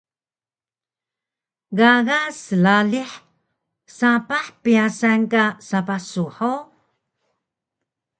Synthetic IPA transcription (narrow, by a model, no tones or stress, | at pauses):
ɣaɣasəlaliħ | sapaħpiasankasapasuħo